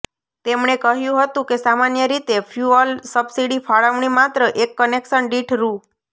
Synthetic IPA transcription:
t̪emɳekəɦjũɦət̪ũkesamanjəɾit̪efʰjuɔlsəbsiɽifʰaɭəʋɳimat̪ɾəʔekːəneksənɖiʈʰɾũ

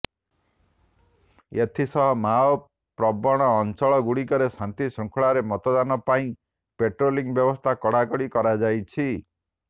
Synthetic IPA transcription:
et̪ʰisɔɦɔmaɔ | pɾɔbɔɽ̃ɔːnt͡ʃɔɭɔɡuɽikɔɾesant̪isɔŋkʰɔɭaɾemɔt̪ɔd̪anɔpaĩ | peʈɾoliŋbjɔbɔst̪ʰakɔɽakɔɽikɔɾad͡ʒajt͡ʃʰi

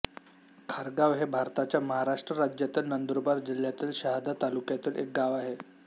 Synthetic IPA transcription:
kʰaɾɡaʋɦebʱaɾt̪at͡ɕjaməɦaɾaʂʈɾəɾad͡ʑjat̪ilnənd̪ɾobaɾd͡ʑil̤ːjat̪iːlɕaɦd̪ʱat̪alukjat̪iːlḛk̚ɡaʋaɦe

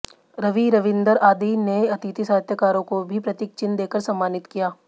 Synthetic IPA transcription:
ɾɐʋiɾɐʋɪ̃nd̪əɾaːd̪ineɐt̪it̪isaːɦət̪jəkaːɾõkobʱipɾɐt̪ɪk̚t͡ʃɪnd̪eːkəɾsɐmːaːnɪt̪kijaː

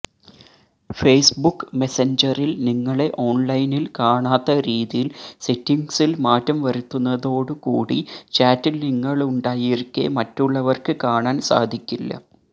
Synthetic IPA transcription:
fe̞jsbukːme̞seɲd͡ʑɐrilniŋːɐɭe̞ʔo̞ːnlɐjnilkaːɳaːt̪ːɐɾiːðijilsetːiŋɡsilmaːtːɐmʋɐɾut̪ːunːɐðo̞ːɽɨkuːɽit͡ɕaːtːilniŋːɐɭuɳɖaːjiɾkːḛmɐtːuɭːɐʋɐrkɨkaːɳaːnsa̰ːd̪ʱikʲːilːɐ̰

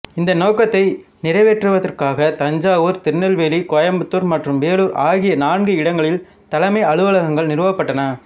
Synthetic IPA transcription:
ɪnd̪ɐnoːkɐt̪ːɐɪnɪɾɐɪʋeːʈrɯʋɐðɐrkaːɣɐt̪ɐɲd͡ʒaːʋoːɾt̪ɪɾnɐlʋeːlikɔjɐmbɯt̪ːoːɾmɐʈrɯmʋeːɭuːɾʔaːɣɪjɐnaːnɡɯɪɽɐŋɡɐɭɪl | t̪ɐlɐmɐɪɐɭɯʋɐlɐɣɐŋɡɐɭnɪɾɯʋɐpːɐʈːɐnɐ

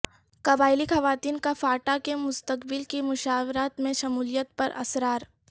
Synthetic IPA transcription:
kɐbaːɪlixɐʋaːt̪iːnkafaːʈakemʊst̪əkbɪlkimʊʃaːwɾaːt̪mẽʃɐmuːlijət̪̚pɐɾʔɐ̰sɾaːɾ

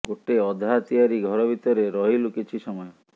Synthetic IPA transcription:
ɡoʈeɔd̪ʱat̪iaɾiɡʱɔɾɔbʱit̪ɔɾeɾɔɦilukit͡ʃʰisɔmɔjɔ

